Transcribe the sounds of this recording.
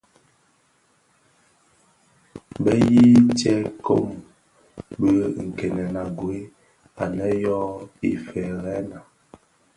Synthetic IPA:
bə˦ji˦tjɛ˦ko˦m | bə˦˨ŋ̩˨kɛ˨nɛ˨na˨ɡwe˦ | a˨lɛ˦jɔ˦ḭ˨fɛ˨ɣɛ˦na˨

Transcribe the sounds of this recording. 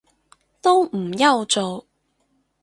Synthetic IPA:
t̪o˥wm̩˨˩jɐ˥˧wt͡ʃt͡so˨w

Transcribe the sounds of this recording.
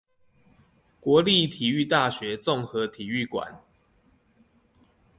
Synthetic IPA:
kwɔ˨˦li˥˨t̪ʰi˨˩y˥˧t̪a˥˨ɕɥɛ˨˦t͡sɔ˥˨ŋxɤ˨˦t̪ʰi˨˩y˥˨kwa̰˨˩˦n

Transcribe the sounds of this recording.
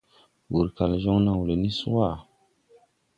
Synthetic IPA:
wu˨ɾka˨lʒɔ˦ŋnã˨wu˨le˨ni˦su˦a˦˨

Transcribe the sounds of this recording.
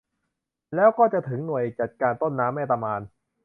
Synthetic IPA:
lɛː˦˥wkɔː˥˩t͡ɕa˨˩ʔt̪ʰɯ˩˦ŋnu˨˩əjt͡ɕa˨˩t̪̚kaː˧nt̪o˥˩nːaː˦˥mːaː˥˩t̪a˧maː˧n

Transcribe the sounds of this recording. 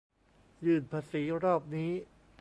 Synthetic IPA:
jɯː˨˩npʰaː˧siː˩˦ɾɔː˥˩p̚niː˦˥

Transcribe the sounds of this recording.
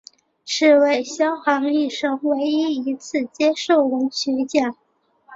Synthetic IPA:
ʂɻ̩˥˧we˥˩ɪɕjɑ˥ʊxɑ˧˥ŋi˥˩ʂɤ˥ŋwe˧˥ɪi˥i˧˥t͡sʰɹ̩˥˩t͡ɕjɛ˥ʂo˥˩ʊwə˧˥nt͡ɕʰy˧˥t͡ɕjɛ˥˩n

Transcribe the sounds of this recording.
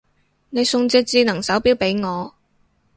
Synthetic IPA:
ne˨˧jsʊ˧ŋt͡sɪ˧k̚t͡siː˧nɐ˨˩ŋsɐ˨˥wpiː˥wpe˨˥jŋɔː˨˧

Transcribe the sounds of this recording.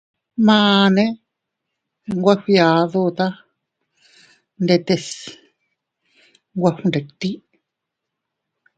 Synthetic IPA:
mãː˧nẽ˦ | ŋɡʷa˦xʷi˧a˨ðu˦˧t̪a˦ | nde˧t̪e˧s | ŋɡʷa˧hũ˧nɾe˨t̪i˦

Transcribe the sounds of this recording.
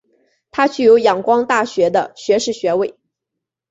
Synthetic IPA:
t̪ʰa˥t͡ɕʰy˥˩jo˧˥ʊjɑ˨˩ŋkwɑ˥ŋt̪a˥˩ɕɥɛ˧˥d̪ə˧ɕɥɛ˧˥ʂɻ̩˥˩ɕɥɛ˧˥we˥˩ɪ

